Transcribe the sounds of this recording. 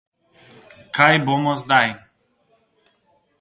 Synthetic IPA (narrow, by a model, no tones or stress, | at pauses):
kʰajbɔmɔzd̪aj